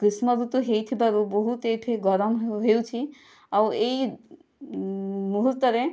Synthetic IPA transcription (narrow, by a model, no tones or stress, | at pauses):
kɾismɔɾut̪uɦejt̪ʰibaɾuboɦut̪ejʈʰeɡɔɾɔmɦeut͡ʃʰi | awej | muɦuɾt̪ːɔɾe